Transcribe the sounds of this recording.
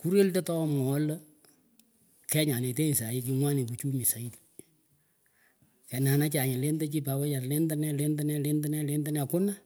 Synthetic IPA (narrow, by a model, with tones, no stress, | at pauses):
ku˦ɾe˦lte˦tɔ˦mɔ˨˦lə˦ | kɛ˦ɲa˨ne˨te˦n˨sa˨jɪ˦ki˨˦ŋwa˦ni˨p̬u˨t͡ʃu˦mi˨sa˨i˦ti̥ | kɛ˨na˨na˦t͡ʃa˨ɲɪ˨le˦ndə˦t͡ʃi˦pa˨wɛ˦ja˨tle˦ndə˦nɛ˦le˦ndə˦nɛ˦le˦ndə˦nɛ˦le˦ndə˦nɛ˧˨kʊ˦na˦